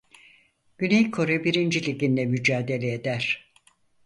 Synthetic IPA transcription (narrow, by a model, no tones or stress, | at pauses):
ɟ̥ynejkʰo̞ɾɛbiɾind͡ʒilʲiɟinlʲɛmyd͡ʒaːd̪e̞lʲeed̪æɾ̥